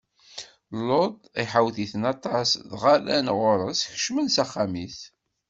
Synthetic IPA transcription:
lod̪ˤ | iħawθiθənɑt̪ˤɑsðʁalænʁʊɾəsçə̥ʃmənsæχːamiθ

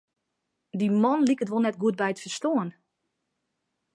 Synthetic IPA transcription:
dimɔnlikətʋolˠnɛtɡuət̚bɛjətfərstoən

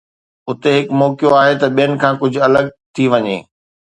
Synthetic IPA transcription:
ʊt̪eɦɪkmɔːkjoaːɦet̪ɐɓijənɪ̆kʰãːkʊd͡ʑʱʊɐləɡt̪ʰiʋɐɲḛː

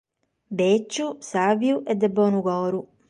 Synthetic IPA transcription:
bet͡ʃːusavjuʔɛd̪ːɛbːɔːnukɔːɾu

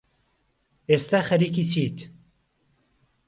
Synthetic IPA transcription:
eːst̪aːxɐɾiːkiːt͡ʃʰiːt̪

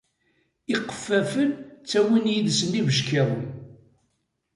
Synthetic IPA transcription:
iqːə̥fːæfənt͡sːæwinjiðsənːivəʃkeʁ

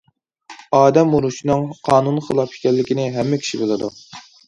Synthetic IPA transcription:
ɑːd̪ɛmuɾuʃinɨŋqʰɑːnunχəlˠɑpʰi̥kʲʰɛlːɪkʲinɪɦɛmːɪkʲʰi̥ʃibolˠɨd̪u

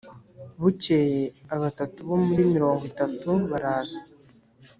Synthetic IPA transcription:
βucejeaβatatuβo̞muɾimiɾo̞ːŋɡitatuβaɾaːza

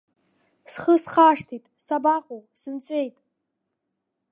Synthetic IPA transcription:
sχəsχaːʂtʰitʼsabaqʼowsɨnt͡sʷʼe̞jtʼ

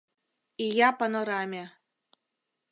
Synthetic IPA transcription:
ijɑpɤ̆nɤ̆ɾɑmʲe

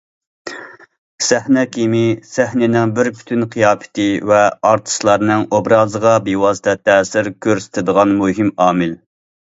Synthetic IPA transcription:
sæhnɛkʲʰimɪsæhnɪnɪŋbɪɾpʰy̥t̪ʰynqʰijɑːpɪ̥t̪ʰɪvɛɑɾt̪ʰɨ̥ʃlˠɑɾnɨŋobɾɑːzəʁɑbewɑːsɨt̪ʰɛt̪ʰɛːsɪɾkʲʰøɾsɪ̥t̪ʰɪd̪əʁɑnmuɦimɑːmɪl

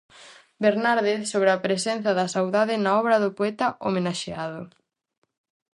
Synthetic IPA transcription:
beɾnaɾðeθsoβɾɪapɾesɛnθɐðɐsawðaðɪnaɔβɾɐðʊpoɛt̪ɐʔomenaʃeaðʊ

